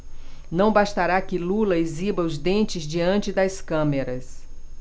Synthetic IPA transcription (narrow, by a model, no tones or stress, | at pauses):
nɐ̃w̃baʃt̪aɾakɪlulɐezibɐʊzd̪ẽnt͡ʃɪzd͡ʒiɐ̃nt͡ʃɪd̪ɐskɐ̃meɾɐs